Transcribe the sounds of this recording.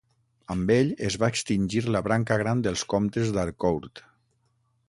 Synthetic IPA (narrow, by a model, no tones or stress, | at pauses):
əmbeʎezβaekst̪inʲʒiɾləβɾaŋkəɣ̞ɾand̪əlˠskomt̪ezd̪aɾkowɾt̪